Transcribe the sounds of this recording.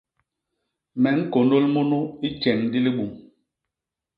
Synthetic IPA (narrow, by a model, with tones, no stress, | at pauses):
mɛ˨˦ŋ̩˦ko˨no˦lmo˦nu˦i˦t͡ʃɛ˨ŋdi˦li˦ɓu˨m